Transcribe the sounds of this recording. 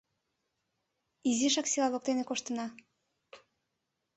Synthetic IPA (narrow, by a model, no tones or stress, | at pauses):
iziʃɑksilɑlok̚t̪enekoʃt̪ənɑ